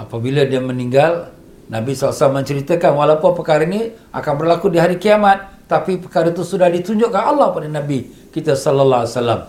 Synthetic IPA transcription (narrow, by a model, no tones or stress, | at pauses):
ʔapabiladiaməniŋɡal | nabisɔlasalamːəɲt͡ʃəɾit̪akanwalaupʊnpəkaɾainiʔa̰kanbərlakudiɦaɾikiamat̪̚ːapipəkaɾat̪usudahdit̪uɲd͡ʒoʔkanalːɔhpadanabi | kit̪asɔlalasala̰m